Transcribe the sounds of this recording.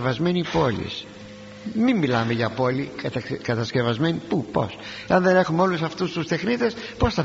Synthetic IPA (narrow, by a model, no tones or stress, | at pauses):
vɐzme̞nipo̞lḭs | miːilɐme̞ʝɐpo̞litkɐt̪ɐsce̞vɐzme̞nipupo̞̰s | eɐnðe̞ne̞xumeo̞lusɐft̪ust̪ust̪e̞xnit̪e̞s | po̞sθɐ